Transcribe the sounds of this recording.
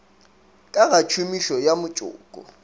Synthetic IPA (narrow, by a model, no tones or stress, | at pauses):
kʼaɣat͡ʃʰʊmiʃɔjamʊt͡ʃʼʊ̰ːkʼɔ̰